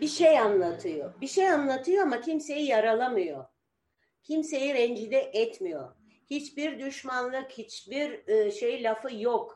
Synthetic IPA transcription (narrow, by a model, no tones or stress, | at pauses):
biʃejanlˠat̪ʰɯjo̰biʃejanlˠat̪ʰɯjoamacʰimse̞jijaɾalˠamɯjo̞ | cʰimse̞jivɛnd͡ʒid̪ɛʔɛt̪mijo̞̰ | hit͡ʃbiɾd̪yʃmanlˠɯkhit͡ʃbiɾʃe̞jilʲafɯjok